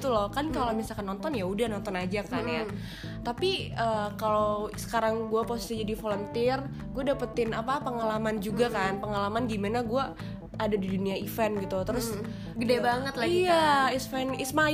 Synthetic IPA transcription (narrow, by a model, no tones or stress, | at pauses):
t̪ulɔkankalomisalkanːɔnt̪ɔnjaudahnɔnt̪ɔnad͡ʒakannja | t̪apiəːkalosə̥kaɾaŋɡuaposi̥sid͡ʒadifolɔnt̪ɪr | ɡuadapət̪ɪnapapəŋalamand͡ʒuɡakanpəŋalamanɡimanaɡuaː | dadiduniaifɛnɡit̪ut̪əɾʊs | ɡədabaŋət̪laiijaɪsfanɪsma